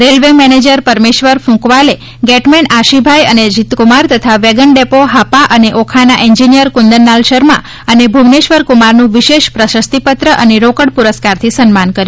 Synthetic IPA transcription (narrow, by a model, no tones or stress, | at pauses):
ɾelʋemɛned͡ʒəɾpəɾmeʃʋəɾfũkʋale | ɡɛʈmɛɳaʃibʱajəned͡ʒit̪kumaɾt̪ət̪ʰaʋeɡəɳɖepoɦapaʔəneʔokʰanaʔĩɲd͡ʒinijəɾkund̪ənːalʃəɾmã̰ | ənebʱumneʃʋəɾkumaɾnũʋiʃeʃpɾəʃəst̪ipət̪ɾəʔəneɾokəɽpuɾəskaɾt̪ʰisənmankəɾju